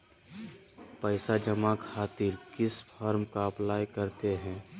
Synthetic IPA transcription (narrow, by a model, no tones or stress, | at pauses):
pəɪsad͡ʒəmakʰaːt̪ɪɾkɪspʰɔɾmkaɐplaːjkəɾt̪eɦɛ̃ː